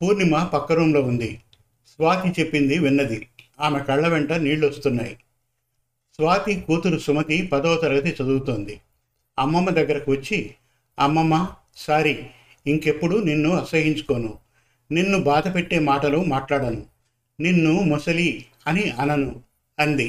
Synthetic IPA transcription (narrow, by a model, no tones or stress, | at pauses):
puːɾnimɐpɐkːɐɾɐmlo̞ːund̪i | sʋaːt̪it͡ʃe̞pːind̪iʋinːɐd̪iaːmekɐɭːɐʋeɳʈɐniːɭːuɐst̪unːa̰ːji | sʋaːt̪ikuːt̪uɾusumɐt̪ipɐd̪ɔːt̪ɐɾɐɡɐt̪̬it͡ʃɐd̪uɡut̪oːnd̪i | ɐmːɐmːɐd̪ɐɡːɐɾɐkuʋɐt͡ʃːi | ɐmːɐmːɐ | saːɾi | iŋke̞pːuɽuninːuɐsɐɡiɲt͡ʃu̥ko̞ːnu | ninːubaːd̪ɐpe̞ʈːe̞ːmaːʈɐlumaːʈlaːɽɐnu | ninːumɔsɐli | ɐniɐnɐnu | ɐnd̪i